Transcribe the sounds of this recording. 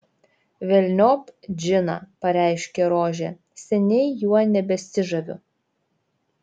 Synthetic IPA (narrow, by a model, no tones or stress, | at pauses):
ʋʲɛlʲnʲoːpd͡ʒʲɪnɐ̰pɐɾʲæˑɪʃʲkʲɛɾoːʒʲɛ | sʲɛnʲɛɪjuɔnʲɛbʲɛsʲɪʒɐʋʲʊ